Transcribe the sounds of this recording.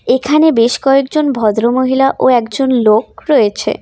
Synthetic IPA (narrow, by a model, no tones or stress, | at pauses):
ekʰanebeʃkɔekd͡ʑonbʱɔd̪ɾomoɦilaʔoɛkd͡ʑonlokɾɔjet͡ɕʰḛ